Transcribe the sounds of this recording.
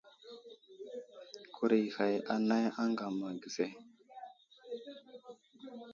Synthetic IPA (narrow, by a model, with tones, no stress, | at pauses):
kʰu˨ɾi˨ha˨ja˦na˦ja˦ŋɡa˨ma˨ɡi˨se˦